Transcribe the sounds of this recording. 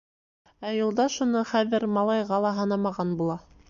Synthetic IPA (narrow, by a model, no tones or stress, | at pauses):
æjulˠd̪ɑʃunɤχæðɘɾmɑlˠɑjʁɑlˠɑɦɤ̆nɑmɑʁɑnbulˠɑ